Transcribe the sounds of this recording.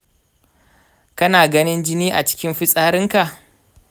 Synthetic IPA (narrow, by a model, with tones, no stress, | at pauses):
kɐ˦naː˨ɡɐ˦nɪ˦nd͡ʒɪ˦niː˦ʔa˨t͡ʃɪ̥˦kʲɪ˦mɸɪ˦sʼaː˦ɾɪ˦ŋka˨ʔ